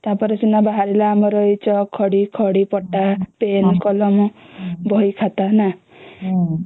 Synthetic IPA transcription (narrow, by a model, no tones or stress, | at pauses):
t̪apɔɾesunabaɦaɾilaːmɔɾɔit͡ʃʰɔkʰɔɽikʰɔɽipɔʈapenkɔlɔmubʱɔikʰat̪ana